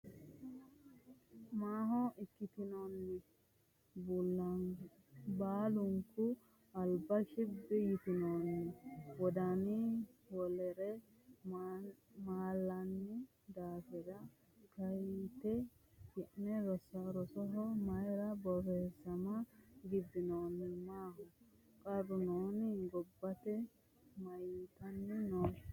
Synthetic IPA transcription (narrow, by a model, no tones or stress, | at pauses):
maːɦɔʔɪkːɪt̪ɪnɔnːɪ | bulːa | baːlʊŋkʊ | ɐlbɐʃɪbːɛjɪt̪ɪnɔnːɪwɔd̪anɪwɔlɛɾɛ | maːlːɐnːɪ | d̪aːfɛd̪ɐ | kɐjt̪ɛ | kɪʔnɛɾɔsaɾɔsɔɦɔmɐjɾɐbɔbeːsɐmɐɡɪd̪ɪnoːnːɪmaːɦɔ | kʼɐrʊnoːnɡɔbːɐt̪ɛ | mɐjt̪ɐnːɛnoː